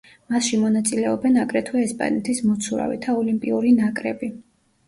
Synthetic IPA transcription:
masʃimɔnat̪sʼilɛɔbɛnakʼɾɛt̪ʰwaɛspʼa̰nɛt̪ʰismɔt̪sʰuɾa̰vḭt̪ʰaɔlimpʼiuɾinakʼɾɛbi

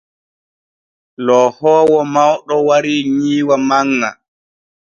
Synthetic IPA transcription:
lɔːhɔːwɔmawɗɔwaɾiɲiːwamaŋːa̰

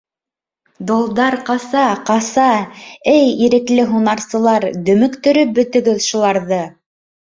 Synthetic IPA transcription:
d̪olˠd̪ɑɾqɑsɑqɑsɑɘjiɾɘ̆klɘɦunɑɾsɤ̆lˠɑɾd̪ɵ̆mɵ̆kt̪ɵ̆ɾɵp̚bɵ̆t̪ɵ̆ɡɵðʃulˠɑɾðɤ

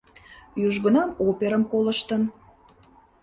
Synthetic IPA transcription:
juʒɣənɑmopʲeɾəmkoləʃt̪ən

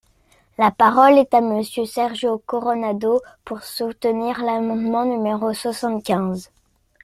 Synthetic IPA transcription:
lapaʁɔlɛt̪aməsjøsɛʁʒokɔʁɔnad̪opuʁsut̪niʁlamɑ̃d̪mɑ̃nymeʁoswasɑ̃t̪kʲɛ̃z

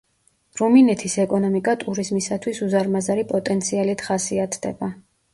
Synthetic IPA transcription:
ɾuminɛt̪ʰisɛkʼɔnɔmikʼat̪ʼuɾizmisat̪ʰwisuzaɾmazaɾipʼɔt̪ʼɛnt̪sʰialit̪χasiat̪ʰd̪̥ɛ̰ba

